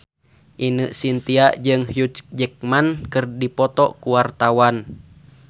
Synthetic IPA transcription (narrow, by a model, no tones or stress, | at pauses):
ʔinɨʔsint̪iaʔd͡ʒɨŋhjut̪d͡ʒɛk̚mankɨrdipɔt̪ɔkuwart̪awan